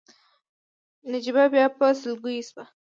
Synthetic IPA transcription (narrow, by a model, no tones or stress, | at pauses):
nad͡ʒibabjɑpəsɪlɡujisba